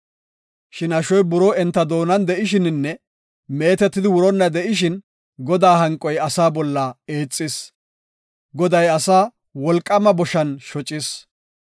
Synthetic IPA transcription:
ʃɪnɐʃɔjbʊɾɔɛnt̪ːɐd̪o̞ːnɐnd̪ɛʔɪʃ̬ɪnnːɛ | me̞ːt̪ɛt̪ːɪd̪ɪwʊɾɔnːɐd̪ɛʔɪʃ̬ɪn | ɡɔd̪aːɦɐŋkʼːɔjɐsaːbɔlːɐe̞ːt͡sʼːɪs | ɡɔd̪ɐjɐsaː | wɔlkʼːɐmɐbɔʃɐnʃɔt͡ʃʼːɪs

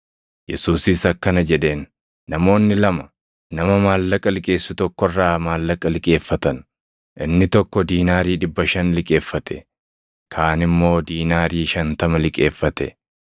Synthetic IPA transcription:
jɛsuːsɪsɐkːɐnɐd͡ʒɛᶑe̞ːnː | ɐmo̞ːnːɪlɐmɐ | nɐmɐmaːlːɐkʼɐlɪkʼe̞ːsːʊt̪ɔkːɔrːaːmaːlːɐkʼɐlɪkʼe̞ːfːɐt̪ɐn | ʔɪnːɪt̪ɔkːɔd̪iːnaːɾiːᶑɪbːɐʃɐnlɪkʼe̞ːfːɐt̪ʰɛ̰ | kʰaːnɪmːo̞ːd̪iːnaːɾiːʃɐnt̪ɐmɐlɪkʼe̞ːfːɐt̪ɛ̰

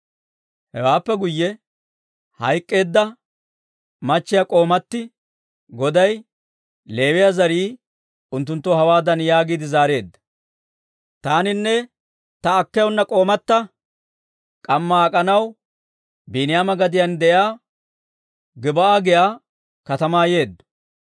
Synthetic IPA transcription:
hɛ̰waːpːɛɡʊjːɛ | hɐ̰jkʼːe̞ːd̪ːɐ | mɐt͡ʃːɪjakʼo̞ːmɐt̪ːɪ | ɡɔd̪ɐj | le̞ːwɪjazɐɾiː | ʊnt̪ːʊnt̪ːɔhɐwaːd̪ɐnjaːɡiːd̪ɪzaːɾe̞ːd̪ːɐ̥ | t̪aːnɪnːɛ | t̪ɐːkːɛjʊnːɐkʼo̞ːmɐt̪ːɐ | kʼɐmːɐːkʼɐnɐw | biːnɪjaːmɐɡɐd̪ɪjɐnd̪ɛʔjaː | ɡɪbɐʔaːɡɪjaː | kɐt̪ɐmaːje̞ːd̪ːɐ̥

